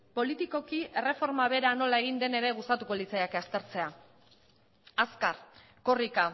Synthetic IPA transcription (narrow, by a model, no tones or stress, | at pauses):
po̞lit̪iko̞kie̞re̞fo̞ɾmaβ̞e̞ɾano̞laeɣ̞ind̪e̞ne̞ɾe̞ɣ̞ust̪at̪uko̞lit͡sajakast̪e̞ɾt͡se̞a | askaɾ | ko̞rika